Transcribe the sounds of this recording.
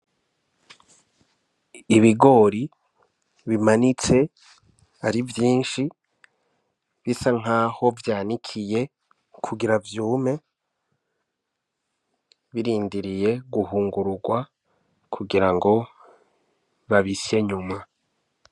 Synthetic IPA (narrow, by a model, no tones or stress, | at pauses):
iβiɡo̞ːɾi | βimanit͡se̞ | aɾivjiːnʃi | βisaŋ̥aːho̞vjaːnikʰije̞ | kʰuɡiɾavjuːme̞ | βiɾiːndiɾije̞ɡuhuːŋɡuɾuɡwa | kʰuɡiɾaŋɡo̞ | βaβisieɲuma